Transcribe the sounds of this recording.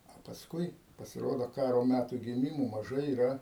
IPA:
ɐ pɐsˈkʊɪ pɐsʲɪˈroːdoː ˈkɑːroː ˈmʲætuː ɡʲɪˈmʲɪmoː mɐˈʒɐɪ iːˈrɐ

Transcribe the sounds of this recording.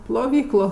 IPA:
plˠoːˈʋʲiːklˠoː

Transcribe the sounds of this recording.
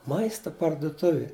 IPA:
ˈmɐɪstɐ pɐrdʊˈtʊʋʲɪ

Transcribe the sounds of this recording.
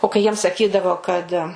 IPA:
oː kɐɪ ˈjiɛm sɐˈkʲiːdɐʋoː kɐt

